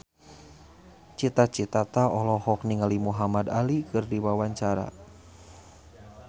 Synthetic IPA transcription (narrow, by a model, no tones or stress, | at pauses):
t͡ʃit̪at͡ʃit̪at̪aɔlɔhɔk̚niŋalimuɦamadalikɨrdiwawaɲt͡ʃaɾa̰